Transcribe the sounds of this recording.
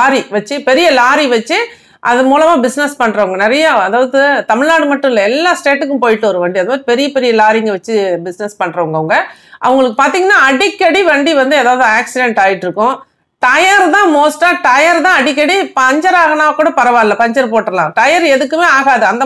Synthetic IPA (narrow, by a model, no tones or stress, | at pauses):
aːɾiʋɐt͡ʃːɯpɛɾɪjɐlaːɾiʋɐt͡ʃːɯ | ʔɐðɯmuːlɐmaːbɪsnɛspɐɳːɾɐʋɐŋɡɐnɪɾɐjɐɐðaːʋɐðɯt̪ɐmɪɻnaːɽɯmɐʈːʊ̃ɪlːɐɛlːaːsʈeːʈːɯkːɯ̃mpoːjɪʈːɯʋɐɾɯʋɐɳɖiɐðɐmaːðɾipɛɾɪjɐpɛɾɪjɐlaːɾɪŋɡɐʋɐt͡ʃːɯbɪsnɛspɐɳːɾɐʋɐŋɡɐʋɐŋɡɐ | ʔɐ̰ʋɐŋɡɐɭɯk̬ːɯpaːɾt̪iːŋɡɐnːaːɐɽikːɐɽiʋɐɳɖiʋɐnd̪ɯɛːðaːʋɐðɯaːksɪɖɛɳʈaːjɪʈːɪɾɯkːʊ̃ | ʈɐjaɾt̪ãːmoːsʈaːʈɐjɐɾt̪ãːɐɽɪk̬ːɐɽipɐɲd͡ʒɐɾaːɣɐnaːʋɐkːuːɽɐpɐɾɐʋaːlːɐpɐɲd͡ʒɐɾpoːʈːɪɾɐlãːʈɐjɐɾɛðɯkːɯmeːaːɣaːðɯɐnd̪ɐ